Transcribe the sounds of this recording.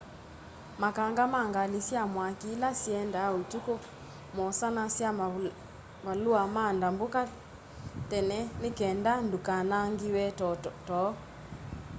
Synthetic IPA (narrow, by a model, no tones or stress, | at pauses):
makaŋɡamaŋɡalisjamwakilasjɛndaotuko | mɔsanasja | baluamandamboka | tɛnɛnekɛndandukanaŋɡiwɛttɔ